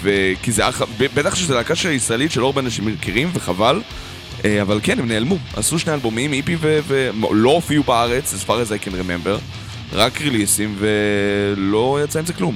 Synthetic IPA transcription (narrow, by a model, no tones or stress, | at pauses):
vekizeaχabebet̪aχʃezelakaʃelaisʁaelitʃeloaʁbeanaʃimkʰiʁimveχaval | ʔavalkenhemneːlmuʔa̰suʃne̞jalbo̞mimipivevḛlo̞ofiubaaʁe̞t͡sesfaʁezajkenʁemembeʁ | ʁakʁilisimve̞lo̞jat͡saimzeklum